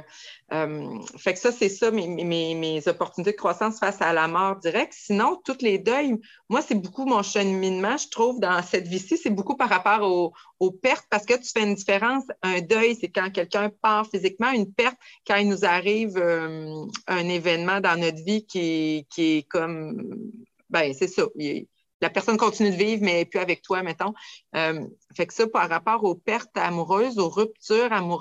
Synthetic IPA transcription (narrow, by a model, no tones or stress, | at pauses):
œmfɛksʌsɛsʌmemmemezɔpɔʁt̪ynit̪ed̪əkχwasɑ̃sfasalamɔːʁd̪iʁɛk̚t̪sinɔ̃t̪ut̪led̪œj | mwasɛbukumɔ̃ʃəinmɑ̃ʒət̪χuːvd̪ɑ̃sɛt̪visisebukupaʁːapɑːʁoopɛʁt̪̚paʁsə̥kət̪y̥fɛynd̪ifeʁɑ̃sœ̃d̪œjsekɑ̃k̬ʲɛlkʲœ̃pɑ̃ːʁfizikmɑ̃ynpɛʁt̪̚kɑ̃ɛlnuzaʁiːvømœ̃nevɛnmɑ̃d̪ɑ̃nɔt̪vikʲekʲiɛkɔm | bɛ̃sesɔɛ̰ | lapɛʁsɔnkɔ̃t̪inyd̪əviːvmɛpyavɛk̚t̪wamɛ̃t̪ɔ̃øm | fɛksɔpaʁːapɑːʁopɛʁt̪amuʁøzoʁyp̚t̪yːʁamu